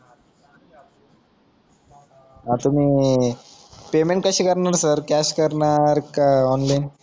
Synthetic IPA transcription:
ɦat̪um̤iː | pemeɳʈ̚kəɕiːkəɾɳaɾsəɾkæɕkəɾɳaɾkaɔnlajn

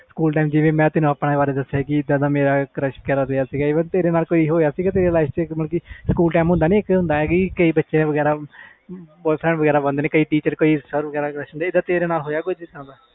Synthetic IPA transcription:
sə̥kuːlʈaːɪmd͡ʒɪʋẽːmɛ̃ːt̪ɪnũːaːpɽaːbaːɾeːd̪əsːjakɪɪd̪ãːd̪aːmeːɾaːkɾəʃkɛɾaːd̪eːjaːsiːɡaːɪʋə̃t̪eːɾeːnaːlkoːiːɦoːjaːsiːɡaːt̪eːɾeːlaɪst͡ʃməlkiːskuːlʈaːmɦʊ̃nd̪aːnĩːɪkɦʊ̃nd̪aːɛkikəiːbətːʃejãːʋəɡɛːɾaː | bɔːɪpʰɾɛ̃ɳɖʋəɡɛːɾaːbənd̪neːkəiːʈiːt͡ʃəɾkoːiːsəɾʋəɡɛːɾaːkɾəʃɦənd̪aɪd̪ãːt̪eːɾeːnaːlɦoːjaːkod͡ʒit̪ãːd̪aː

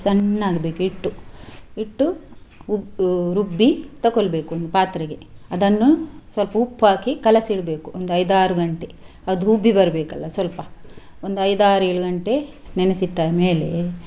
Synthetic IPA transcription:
sɐnːaːɡɐbe̞ːkuiʈːuiʈːuuɾubːit̪ɐkolbe̞ːkuond̪upaːt̪ɾɐɡe̞ɐd̪ɐnːusʋɐlpɐupːaːkikɐlɐsiɭbeːkuʔond̪uɐjd̪aːɾuɡɐɳʈe | ɐd̪uubːibɐɾɐbeːkɐlːɐsʋɐlpɐ | ond̪uɐjd̪aːɾueːɭuɡɐɳʈenɛnɐsit̪ːaːjɐmeːle

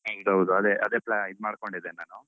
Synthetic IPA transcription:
ɦɐd̪ɦɐwud̪uɐd̪eːʔɐd̪eːplaid̪umaːɽkoɳɖid̪eːnaːnu

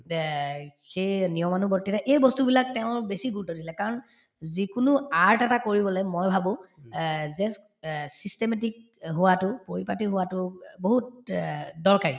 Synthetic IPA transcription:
xejnijɔmanubɔtːitaʔejbɔstubilak̚teʊ̃besiɡutodisilɛkaɹɔn | zikʊnʊaɹtɛtakoɹibɔlɛmojbʱabʊ̃ | zɛs | sistemetik | ɦʊwatʊpoɹipatiɦʊwatʊboɦut̚ | dɔɹkaɹi

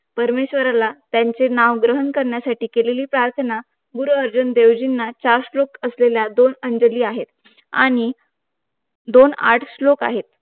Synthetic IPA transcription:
pəɾmeɕʋəɾalat̪jaɲt͡senaʋɡɾəɦənkəɾɳjasaʈiːkeleliːpɾaɾt̪ʰəna | ɡuɾuəɾd͡ʑund̪eʋd͡ʑinːat͡ɕaɾslokəsleljad̪onəɳd͡ʑəliːaɦet̪ | a̰ɽ̃i | d̪ona̰ʈʰsloka̰ɦet̪

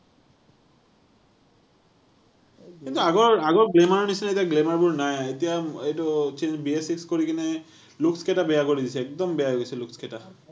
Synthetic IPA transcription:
kint̪uaɡoɾaɡoɾɡlemaɾonit͡ɕʰinaet̪iaɡlemaɾbuɾnaeet̪ijaeʈot͡ɕend͡ʑbiesikskoɾikine | lukskeʈabeakoɾid̪it͡ɕʰeɛk̚d̪ɔmbeaoɡet͡ɕʰelukskeʈa

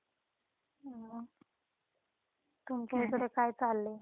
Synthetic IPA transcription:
t̪umkat̪əɽekajt͡salːe

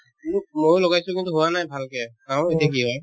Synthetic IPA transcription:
nmojloɡajsʊ̃kintuɦuwanajbʱalkɛkaʊ̃etijak̬iɦɔj

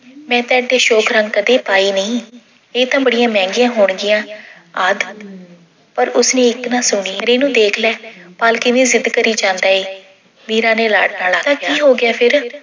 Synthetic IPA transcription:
mɛ̃ːt̪ɛːɖeːʃɔːkʰɾə̃ŋɡkəd̪eːpaːiːnəĩː | eːt̪ãːbəɽɪjãːmɛ̃ːŋɡɪjãːɦoːɳɡɪjãː | aːd̪ | pəɾʊsnẽːɪknãːsʊɳiːãɾeːnũːd̪eːkʰlɛːpaːlkɪʋĩːzɪd̪kəɾiːd͡ʒãːnd̪aːeː | niːɾãːneːla̰ːʈnaːlaːt̪ãːkiːɦoːɡɪaːpʰɪɾ

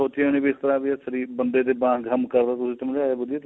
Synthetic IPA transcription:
oːt̪iəːñiːbiːɪkt̪əɾaːbiːɛsəɾiːbənd̪eːd̪eːbãːɡəmkəɾd̪aːt̪ʊsĩːt̪əmd͡ʒaːeːbʊd̪eːt̪

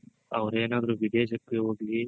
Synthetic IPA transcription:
ɐ̰ʋɾeːnaːd̪ɾuʋid̪eʃɐkːeɦoːɡli

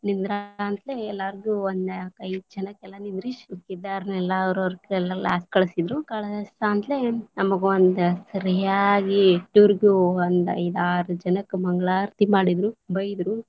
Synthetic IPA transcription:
nind̪ɾaaːnt̪leɛlːaːɾɡuond̪kɐjd͡ʒɐnɐkːɛlːɐnind̪ɾiʃkid̪aːɾnɛlːaɾɐɾkɛlːɐla̰ːskɐɭɐsid̪ɾukɐɭɐsant̪lenɐmɐɡeond̪usɐɾɐjaːɡiʈuɾɡjuɐnd̪ɐ̰jd̪aːɾud͡ʒɐnɐkːmɐŋɡɐɭaːɾt̪imaːɽid̪ɾubɐjd̪ɾu

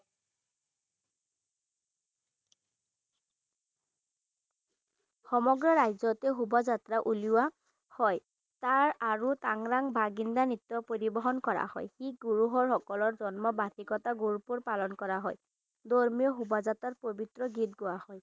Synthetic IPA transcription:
xɔmɔɡɹɔɹajzɔtɛɦubɔzatɹaʔuliwa | hɔj | taɹaɹutaŋɹaŋbʱaɡindanitːɔpoɹibɔɦɔnkɔɹa̰hɔ̰jxiɡuɹuɦɔɹxɔkɔlɔɹzɔnmɔbatikɔtaɡuɹupuɹpalɔnkɔɹaɦɔj | dɔɹmiɔɦubɔzatɹatpobitɹɔɡit̚ɡʊahɔj

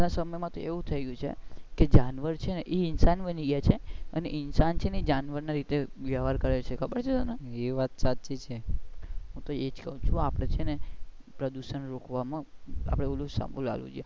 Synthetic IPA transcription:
nasəməjmãt̪oeʋũt̪ʰəjɡũt͡ʃʰḛked͡ʒanʋəɾt͡ʃʰeneʔeinsanbəniɡjat͡ʃʰeəneʔɪnsant͡ʃʰeneed͡ʒanʋəɾnaɾit̪eʋjaʋaɾkəɾelt͡ʃʰekʰəbəɾt͡ʃʰeonəeʋat̪sat͡ʃit͡ʃʰe | ɦũt̪oed͡ʒkəɦũt͡ʃʰuapɽ̃et͡ʃʰene | pɾəd̪uʃənɾokʋamãa̰pɽ̃eulusa̰mbṵla̰lṵ̃d͡ʒie

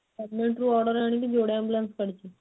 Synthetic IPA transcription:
əɾmeɳʈɾuːɔɾɽəɾaaɽ̃it̪iːd͡ʑoɽeãmbulanskəɽt͡ɕi

